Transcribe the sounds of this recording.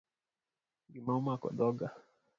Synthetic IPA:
ŋɡimaumakɔ̰ɗɔɡa

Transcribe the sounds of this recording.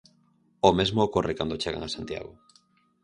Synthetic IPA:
omezmoːkorekand̪ot͡ʃeɣa̰ŋasant̪ja̰ɣo

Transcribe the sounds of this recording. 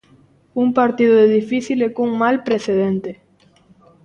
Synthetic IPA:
uŋpaɾt̪iðʊðeðifiθilekuŋmalpɾeθeðent̪e

